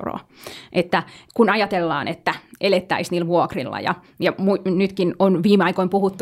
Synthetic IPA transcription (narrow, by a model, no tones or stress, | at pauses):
ro̰ːʔet̪ːækunɑjɑt̪elːɑ̰ːnet̪ːæʔelet̪ːæ̰isniːlʋuokrilːɑ̰jɑ̰ | jɑmuinyt̪kinonʋiːmeɑikoimpuhut̪ːu